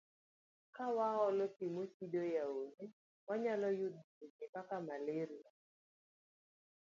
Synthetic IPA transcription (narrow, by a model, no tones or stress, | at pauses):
kawaɔlɔtimosidojaone | waɲalɔjud̪ɪkɪpakamaleɾia